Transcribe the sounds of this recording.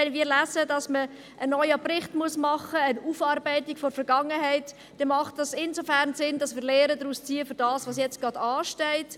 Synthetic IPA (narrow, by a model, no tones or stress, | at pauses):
ɛnmiːɾlæːzədɑsmə | ʔənːɔʏəprɪχtmuəsmɑχəːnuːfɑːɾbɛɪtɪkfɔɾfɛɾɡ̥ɑŋəɦɛɪt | d̥ɛmɑχt̚d̥ɑsɪnzofæɾnsɪndɑsmiːɾlɛːɾədɾuːst͡siːəfʏɾd̥ɑːsʋɑsjɛt͡stɡ̥ʁɑd̥ɑːʃtɛɪt